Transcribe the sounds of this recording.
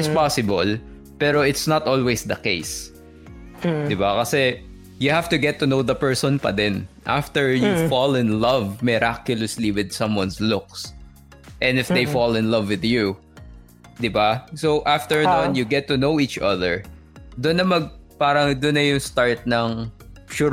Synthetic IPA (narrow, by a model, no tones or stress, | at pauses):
ɪspasɪbɐl | pɛɾoɪt̪snɐt̪ʔɔlwejsd̪ɐkḛjs | d̪ɪbakɐsɛ | jʊhavt̪ʊɡɛt̪ːʊnowd̪ɐpɛɹsɔ̃npɐ̰d̪ɪnʔa̰ft̪ɛɹjufɔlɪ̃nlɐvmɪɾakjʊlɐsliwɪd̪̚sɐ̃mwɐ̃nslʊk̚s | ʔɛ̃nɪfd̪ejfɔlɪ̃nlɐvwɪðju | d̪ɪbasoʔaft̪ɛɹnɔnjʊɡɛt̪ːʊnowit͡ʃɐðɛɹ | d̪ʊnːɐmɐɡ̚paːɾɐŋd̪ʊnːɐjʊŋst̪aɹt̪̚nɐŋʃu